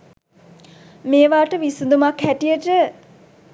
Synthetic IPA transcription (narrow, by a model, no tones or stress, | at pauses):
meːʋaːʈəʋisund̪umakhæʈijəʈə